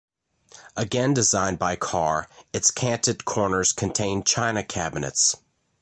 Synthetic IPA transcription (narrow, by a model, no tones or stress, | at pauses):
əɡɛ̃ndɨzãɪ̃nbaɪkʰɑɹɨtskʰæ̃ntɨd̚kʰɔɹnə˞z̥kʰɨ̃n̩tʰẽɪ̃nt͡ʃʰãɪ̃nɨkʰæbɨnɨ̰ts